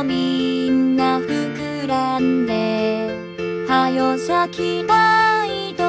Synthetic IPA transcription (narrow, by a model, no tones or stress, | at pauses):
minːaɸɯkɯɾand̪e | hajoɕakʲʰinaid̪o